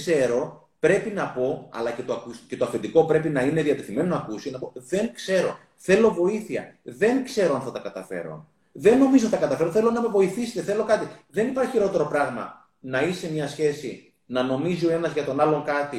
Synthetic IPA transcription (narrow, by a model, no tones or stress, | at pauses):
se̞ɾo̞ | pɾe̞pinɐpo̞ɐ̰lɐce̞t̪oɐkusce̞t̪oɐfend̪iko̞pɾe̞pinɐine̞ðiɐt̪e̞θime̞nonɐːkusi̥enɐpoðe̞ŋkse̞ɾo̞̰ | θe̞lo̞vo̞iθiɐ̰ðe̞ŋkse̞ɾo̞ɐnθɐt̪ɐkɐt̪ɐfe̞̰ɾo̰n | ðe̞nːo̞mizo̞t̪ɐkɐt̪ɐfe̞ɾoθe̞lo̞nɐme̞vo̞iθise̥t̪eθe̞lo̞kɐt̪iðe̞nipɐɾçiçiɾot̪e̞ɾo̞pɾɐɣmɐ̰ | nɐise̞mɲɐsçe̞sḭ | nɐno̞mizio̞e̞nɐzʝɐt̪o̞nɐlo̞ŋkɐt̪i